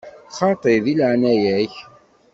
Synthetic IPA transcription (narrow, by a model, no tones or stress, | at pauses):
χɑt̪ˤeðilʕnæjæç